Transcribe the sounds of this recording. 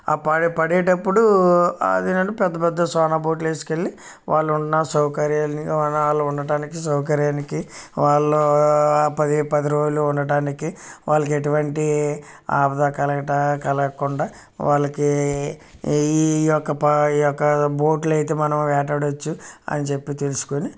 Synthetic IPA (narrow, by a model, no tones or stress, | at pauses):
a̰ːpɐɽipɐɽɛːʈɐpːuɽuɐ̰d̪inɐɳupɛd̪ːɐpɛd̪ːɐsɔːnaːboːʈ̬leːsi̥keɭːi | ʋaːɭːuɳnaːsɐwkɐɾjaːnaːɭːɐuɳːɐɖaːnikisɐwk̬ɐɾjaːnikiʋaːɭːoːpɐd̪ipɐd̪iɾoːd͡ʒuluuɳːɐɖaːnikiʋaːɭːɐk̬eʈuʋɐɳʈi | aːbɐd̪aːkɐlɐɐʈːkɐlɐkuɳɖaː | ʋaːɭːɐki | jɔkːɐpɐiːjɔkːɐboːʈulɐjit̪e̞ːmɐnɐmʋɛːʈɐɽɐt͡ʃːuɐ̰nit͡ʃe̞pːit̪e̞lusu̥koni